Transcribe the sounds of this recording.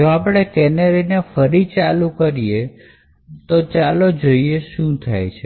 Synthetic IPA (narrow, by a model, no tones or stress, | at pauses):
d͡ʒoapɽ̃ekɛneɾinefəɾit͡ʃalukəɾije | t̪ot͡ʃalod͡ʒoieʃũt̪ʰa̰jt͡ʃʰe